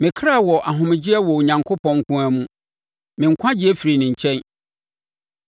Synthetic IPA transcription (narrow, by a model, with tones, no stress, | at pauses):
mɪ̃˨kʰɾa˦˨wɔ˨ʔa˨ɦʊ̃˨mɪ̃˨d͡ʑɪ˦ɛ˦wɔ˨o˨ɲã˨ŋkʰo˦pʰɔ̃˨ŋ˦kʰũ˦æ˦mũ˦ | mɪ̃˨ŋ̩˨kʷʰã˦d͡ʑɪ˦ɛ˦fi˨ɾi˨nɪ̃˨ɲ̩˨t͡ɕʰɛ̃˦n